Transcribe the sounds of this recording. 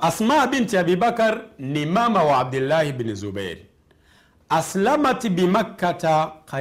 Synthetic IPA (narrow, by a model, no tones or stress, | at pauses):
asmabintiabibakaɾnimamawaab̚dulːahibnizubḛɾ | aslamatibimakːataka